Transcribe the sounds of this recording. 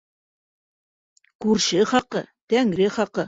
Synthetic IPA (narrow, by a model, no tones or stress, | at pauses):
kʉɾʃɘχɑqɤt̪æŋɾɘχɑqɤ